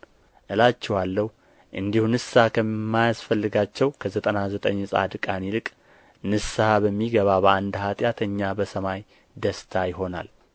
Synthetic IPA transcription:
ʔɨlat͡ʃːɛwalːəhu | ʔɨnd̪ihunɨsːakʰəmːajasfəlːɨɡat͡ʃːɛwkʰəzət̪ʼənazət̪ʼəɲːsʼa̰d̪ɨkʼanilɨkʼ | nɨsːabəmːiɡəβabəand̪hat̪ʼjat̪ʰəɲːabəsəmaj | d̪əst̪ʰajɪɦo̞na̰l

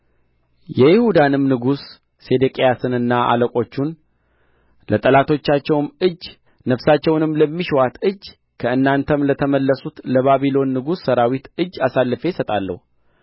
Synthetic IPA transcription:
jɛjɪhud̪anɨmnɨɡusː | e̞d̪ɨkʼejasɨnɨnːaʔa̰ləkʼo̞t͡ʃːun | lət̪ʼəlat̪ʰo̞t͡ʃːat͡ʃːɛwmɨː | nəfsat͡ʃːɛwnɨmləmːiʃwat̪ɨd͡ʒː | kʰəɨnːant̪ʰəmlət̪ʰəməlːəsut̪ləβaβilo̞nːɨɡusːəɾawit̪ɨd͡ʒːasalːɨfesət̪ʼalːə̰hu

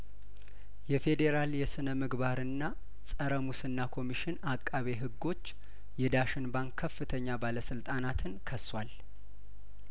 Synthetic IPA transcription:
jɛfe̞d̪e̞ɾaljɛsɨnəmɨɡβaɾɨnːa | sʼəɾəmusɨnːakʰo̞miʃɪnakʼːaβe̞ɦɨɡːo̞t͡ʃː | jɛd̪aʃɪnbaŋkʰːəfːɨt̪ʰəɲːabaləsɨlt̪ʼanat̪ʰɨnkʰəswal

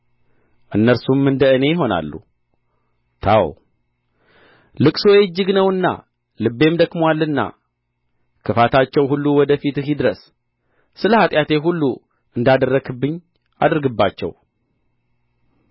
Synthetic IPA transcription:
ʔɨnːəɾsumɨnd̪əɨne̞jɪɦo̞na̰lːṵ | t̪ʰaw | lɨkʼso̞jɛd͡ʒːɨɡnəwɨnːa̰ | lɨbːe̞md̪əkʼmwalːɨnːa̰ | kʰɨfat̪ʰat͡ʃːɛwhulːuwɔd̪əfit̪ɨɦid̪ɨɾəs | sɨləhat̪ʼjat̪e̞ɦulːu | ʔɨnd̪ad̪ərːəɡɨbːɨɲː | a̰d̪ɾɡɨbːat͡ʃːɛ̰w

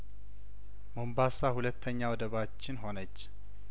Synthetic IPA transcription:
mombasahulət̪ʰːəɲːawd̪əβat͡ʃːɪnɦo̞nət͡ʃː

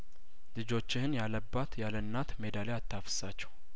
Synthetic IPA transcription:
lɨd͡ʒo̞t͡ʃːɪhɨnjaləbːat̪jalənːat̪me̞d̪aleat̪ʰːafə̥sat͡ʃːɛw

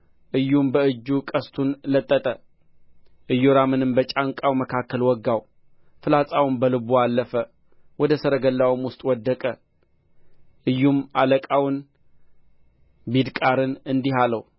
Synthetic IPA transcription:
ʔɨjːumbəɨd͡ʒːukʼəst̪ʰunlət̪ʼːət̪ʼə | ʔɨjːoɾamɨnɨmbət͡ʃʼaŋkʼawməkʰakːəlwɔɡːaw | fɨlat͡sʼawɨmbəlɨbualːəfə | wɔd̪əsəɾəɡəlːawmwʊst̪ʼwɔd̪ːəkʼə | ʔɨjːumaləkʼawʊn | bid̪kʼaɾɨnɨnd̪iɦaləw

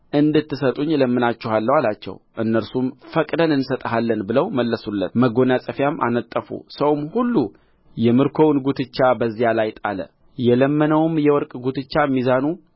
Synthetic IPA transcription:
ʔɨnd̪ɨt̪ːɨsət̪ʼuɲːləmːɨnat͡ʃːɛhalːəwalat͡ʃːɛ̰wʔɨnːəɾsumfəkʼd̪ənɨnsət̪ʼəɦalːənbɨləwməlːəsulːət̪məɡo̞nasʼəfjamʔa̰nət̪ʼːəfṵsəwmhulːu | jɛmɨɾkʰo̞wnɡut̪ʰɨt͡ʃːabəzːijalajt̪ʼalə̰ | jɛləmːənəwɨmjɛwɔɾkʼɡut̪ʰɨt͡ʃːamːizanu

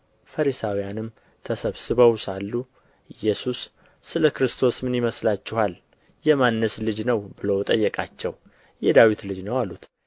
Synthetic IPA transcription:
fəɾisawijanɨm | t̪ʰəsəβsɨβəwsalːu | jɛsusː | ɨləkɾɨst̪ʰo̞smɨnjiməslat͡ʃːɪhal | jɛmanːəslɨd͡ʒnəwbɨləwt̪ʼəjːɛkʼat͡ʃːɛw | jɛd̪awit̪lɨd͡ʒnəwalːut̪

